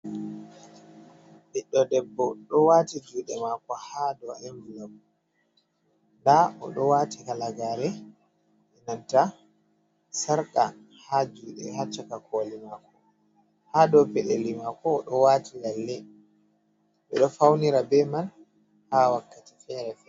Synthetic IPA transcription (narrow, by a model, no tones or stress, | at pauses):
biɗːɔdɛbːɔɗɔwatid͡ʒuːɗɛmakɔhadɔɛmbulabu | ndaʔɔ̰ɗɔwatikalaɡaːɾɛ | ɛnanta | saɾka̰ | had͡ʒuːɗɛ̰hat͡ʃːakakʰolimaːkɔ | haːdɔpɛɗelimakɔːɗɔwaːtʰilalːɛ | ɓɛɗɔfawniɾabɛman | hawakːati̥fɛɾɛfɛ